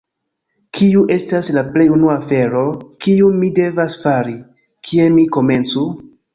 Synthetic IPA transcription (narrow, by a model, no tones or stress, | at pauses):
kʰiuʔe̞staslaple̞junuafe̞ɾo̞kiumide̞vasfaɾi | kʰie̞miko̞me̞nt͡su